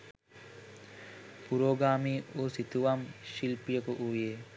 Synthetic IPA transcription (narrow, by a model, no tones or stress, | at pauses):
puɾoːɡaːmiːuːsit̪uʋamʃilpijəkuʔuːjeː